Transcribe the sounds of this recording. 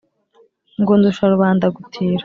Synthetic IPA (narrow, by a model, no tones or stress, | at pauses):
ŋɡuːnduʃaɾuβaːndaɡutʰiːɾa